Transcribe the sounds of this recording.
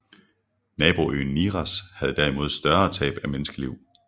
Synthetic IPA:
nɛːb̥o̝ʔø̰ːn̩ːiːʁæshæð̞ˠd̥æɐimo̝ð̞̰ˠsd̥ɶɐɐt͡sʰɛ̰ːb̥æmenəsɡ̥əliʊ̰

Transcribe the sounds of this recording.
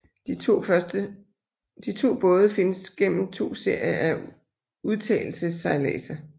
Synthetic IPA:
ə | d̥it͡sʰo̝̰ːb̥ɔ̽ːð̞ˠəfe̝nəsɡ̥en̰m̩t͡sʰo̝̰ːse̝ɐ̰jɐʔæ | uð̞ˠt͡sʰɛ̰ːl̩səsɑ̈ɪlɛ̰ːsɐ

